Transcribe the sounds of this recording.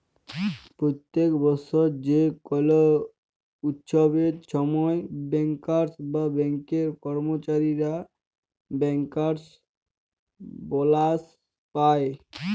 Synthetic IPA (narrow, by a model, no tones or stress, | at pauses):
pɾot̪ːekbɔsoɾd͡ʑekɔlo | ut̪ʃobeɾʃɔmɔebɛŋkaɾsbabɛŋkeɾkɔɾmot͡ɕaɾiɾa | bɛŋkaɾs | bɔlas | pae